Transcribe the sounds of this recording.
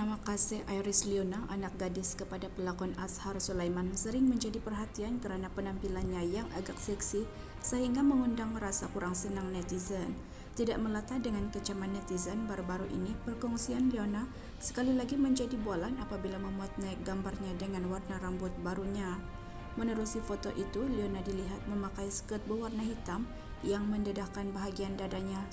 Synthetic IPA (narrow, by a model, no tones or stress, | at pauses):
namakasɪhʔajɾɪslionaʔanak̚ɡadɪskəpadapəlakɔnasharsulajmansəɾɪŋməɲd͡ʒadipərɦat̪iankəɾanapənampilanɲajaŋʔaɡak̚sɛksi | səɦiŋɡaməŋundaŋɾasakuɾaŋsənaŋnɛt̪izən | t̪idaʔməlat̪ahdəŋankət͡ʃamanːɛt̪izənbaɾubaɾuʔḭnipərkɔŋsianliona | sə̥kalilaɡiməɲd͡ʒadibalanapabilaməmbuat̪̚naɪk̚ɡambarɲadəŋanwarnaɾambʊt̪̚baɾuɲa | mənəɾusifot̪oʔit̪ulionadiliɦat̪̚məmakajsə̥kət̪̚bəwarnaɦit̪am | jaŋməndədahkanbaɦaɡiandadaɲa